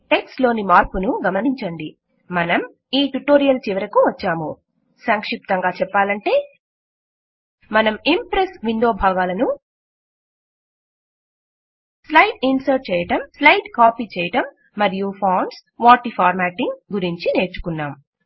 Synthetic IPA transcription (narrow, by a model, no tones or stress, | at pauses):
ʈe̞ksʈlo̞ːnimaːɾpunuɡɐmɐniɲt͡ʃɐɳɖi | mɐnɐm | iːʈuʈoːɾijɐlt͡ʃiʋɐɾɐkuʋɐt͡ʃːaːmu | sɐŋkʂip̚t̪ɐŋɡaːt͡ʃɛpːaːlɐɳʈe̞ː | mɐnɐmimpɾesʋind̪oːbʱaːɡaːlɐnu | slɐjʈ̚insɐɾʈ̚t͡ʃɛːjɐʈɐmslɐjʈkaːpiːt͡ʃɛːjɐʈɐmː | ɐɾijupʰaːɳɖsʋaːʈipʰaːɾmaːʈiŋɡɡuɾiɲt͡ʃine̞ːɾt͡ʃu̥kunːaːm